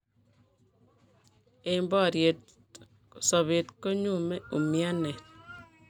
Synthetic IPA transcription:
e˦mbɔ˦˨ɾje˨t | sɔ˨βe˨t̪ko˦ɲu˦me˦u˨mja˦ne˨t̚

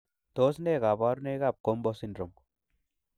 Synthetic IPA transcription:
t̪o˦sne˦ɡa˨ba˦ɾune˦ɡa˦˨p̚ko˦mbɔ˦si˦ndɾo˨m

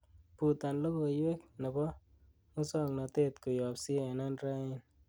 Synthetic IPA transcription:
pu˨t̪a˨nlo˦bo˨jwe˦k̚na˨bɔ˦ | o˦sɔ˦˨ŋna˨t̪e˦t̪ko˨jɔ˨psi˦ɛ˨na˦nɾa˦ɪ˦n

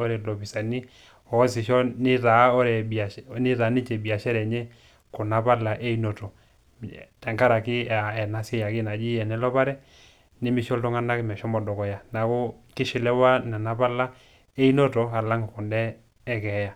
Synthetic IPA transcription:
ɔ˦ɾɛ˨lɔ˨pi˨sa˨ni˦ | ɔ˨˦si˨ʃɔ˦ni˦ɾa˨˦ɔ˦ɾɛ˨bni˦ɾa˨˦ni˦t͡ʃɛ˨bi˨a˨ʃɛ˦ɾɛ˨ɲɛ˦ | kɔ˨na˨pa˦la˨ʔe˦i˦no˨tɔ˨ | tɛ˨ŋka˦ɾa˨ki˦˨ɛ˨na˨sɛ˦ja˨ki˦na˨d͡ʒi˦ɛ˨nɛ˦lɔ˦pa˦ɾɛ˦ | ni˦mi˨ʃɔ˦ltɔ˦ŋa˦na˦kmɛ˨ʃɔ˦mɔ˨dɔ˨kɔ˨ja˨na˨kɔ˦ | ki˦ʃi˨lɛ˦wa˦na˨na˨pa˦la˦ | e˦i˦nɔ˦tɔ˨a˨la˦ŋ˨ku˨ndɛː˦ | kɛ˨˦ja˨

